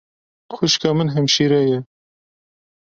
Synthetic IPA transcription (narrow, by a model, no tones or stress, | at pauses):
xʊʃkɑːmɨnɦɛmʃiːɾɛjɛ